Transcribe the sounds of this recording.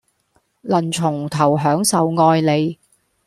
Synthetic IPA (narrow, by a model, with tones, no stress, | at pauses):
lɐ˨˩nt͡sʰʊ˨˩ŋt̪ʰɐ˨˩wɦœː˨˥ŋsɐ˨wŋɔː˧jle˨˧j